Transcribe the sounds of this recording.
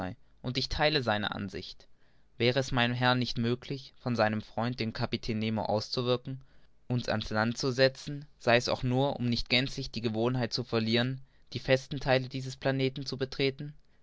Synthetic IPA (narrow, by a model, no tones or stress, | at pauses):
aɪ | ʔʊntɪçtʰaɪləzaɪnə̰ʔa̰nzɪ̰çt | v̥ɛːʁ̞əɛsmaɪnəmɦɛɐnːɪçtmøːklɪçfɔnzaɪnəmfʁ̥ɔʏnt̚d̥eːnkʰapitʰɛːnːeːmo̰ʔa̰ʊst͡suvɪɐkŋ̩ | ʔʊnsa̰nslantt͡suzɛt͡sn̩z̥aɪɛsa̰ʊxnuːɐʔʊ̰mnɪçtɡ̥ɛnt͡slɪçd̥iːɡəvoːnɦaɪt̚t͡sufɛɐliːʁən | d̥iːfɛstn̩tʰaɪlədiːzəspl̥aneːtn̩t͡subətʁ̥eːtn̩